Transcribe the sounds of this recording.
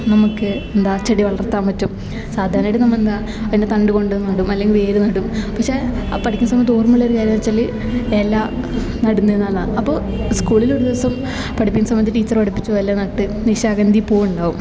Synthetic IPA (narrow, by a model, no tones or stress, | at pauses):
nɐmukːɨend̪aːt͡ɕːɐɽiʋɐɭɐrt̪ːaːmʋɐt͡ɕːum | saːd̪ʱaːɾnɐiʈɨnɐmːɐend̪a | ɐðinet̪ɐɳɖɨko̞ɳɖenːnɐɽumɐlːeŋɡilʋe̞ːɾunɐɽumpɐkʂepɐʈʰikʲːunsɐmɐnioːrmuɭːɐoɾukaːɾjɐmɐt͡ɕːɐlːi | elːaː | nɐɽunːenːaːɭaɳɐpːo̞ː | skuːɭiloɾud̪iʋɐsɐm | pɐʈʰipːikːnsɐmːbɐniɨʈiːt͡ɕːɐrpɐʈipːi̥t͡ɕːuʋɐlːɐnɐʈːɨniɕaːɡɐnd̪ʱipoːjuɳɖaːʋum